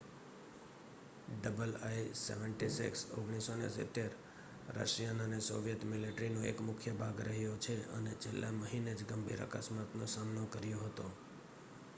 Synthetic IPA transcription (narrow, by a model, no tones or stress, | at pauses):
ɖəbəlajsḛʋəɳʈisḭkso̰ɡɽ̃isonḛsɪ̰t̪eɾ | ɾə̰ʃjanəneso̰ʋijət̪mileʈɾinõḛkmʊkʰjəbʱaɡɾəɦjot͡ʃʰeə̰net͡ʃʰelːaməɦined͡ʒɡəmbʱḭɾə̰kəsmat̪nosamnokəɾjoɦət̪o